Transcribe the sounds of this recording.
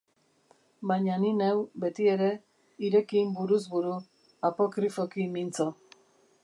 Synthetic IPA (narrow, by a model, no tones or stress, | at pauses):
baɲaninewbe̞t̪ie̞ɾe̞ | iɾe̞kimbuɾuzbuɾu | apo̞kɾifo̞kimint͡so